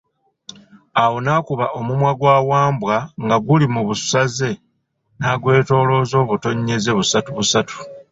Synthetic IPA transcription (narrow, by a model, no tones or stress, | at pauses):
awo̞nakuβaʔo̞mumwaɡwaːwaːmbwaŋɡaɡulimuβusaze̞ | naːɡwe̞ːto̞ːlo̞zo̞βuto̞ɲːe̞ze̞βusatuβusatu̥